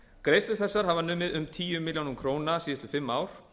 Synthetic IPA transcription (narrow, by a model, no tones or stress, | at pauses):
kɾejst̪vɪθɛsːaɾ̥ɦavanʏːmɪðʏmt̪ʰiːjʏmɪljawnʏmkʰɾoːwnasiːəst̪ʏfɪmːaːwɾ̥